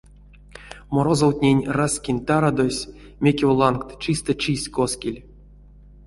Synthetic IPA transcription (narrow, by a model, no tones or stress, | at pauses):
moɾozowt̪ʲnʲenʲrasʲkʲinʲt̪aɾad̪osʲ | mʲekʲevlˠankt̪t͡ʃist̪ət͡ʃisʲkoskʲilʲ